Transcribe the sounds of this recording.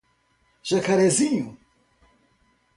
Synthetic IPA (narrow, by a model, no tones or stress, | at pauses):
ʒɐkaɾɛziɲu